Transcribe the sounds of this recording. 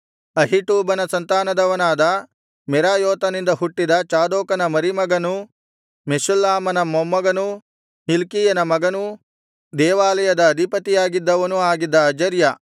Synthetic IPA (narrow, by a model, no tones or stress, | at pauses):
ɐɦiʈuːbɐnɐsɐnt̪aːnɐd̪ɐʋɐnaːd̪ɐ | mɛɾaːjɔːt̪ɐnind̪ɐɦuʈːid̪ɐt͡ʃaːd̪oːkɐnɐmɐɾimɐɡɐnu | meʃulːaːmɐnɐmɔmːɐɡɐnu | hilkiːjɐnɐmɐɡɐnu | d̪ɛːʋaːlɐjɐd̪ɐːd̪ʱipɐt̪ijaːɡid̪ːɐʋɐnuaːɡid̪ːɐːd͡ʒɐɾjɐ